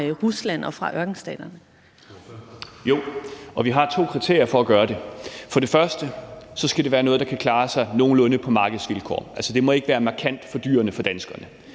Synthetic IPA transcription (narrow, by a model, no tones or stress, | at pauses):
ʁuslæn̰ɒfʁɑ̈ʔɶɐɡ̥n̩sd̥ɛ̰ːd̥ɐnə | jo̝ʔɒ̽ʋiɦɑ̈t͡sʰo̝̰ːkʰʁit͡sʰe̝ɐ̰jɐfɒ̽æɡ̥ɶːɐɾ̥e̝fɒ̽ɾ̥e̝fɶɐsd̥əsɒ̽sɡ̥æd̥e̝ʋæːɐnɔðˠd̥ɑ̈kʰækʰlɑ̈ːsɑ̈ɪno̝ːn̩lɔ̽nəpʰɒ̽mɑ̈ːɡ̥əð̞̩ˠsʋilkʰɒ̰ːʔælsəd̥e̝mɒ̽e̝ɡ̥əʋæːɐmɑ̈kʰæn̰d̥fɒ̽d̥y̰ːɐnəfɒ̽d̥ænsɡ̥ɐnə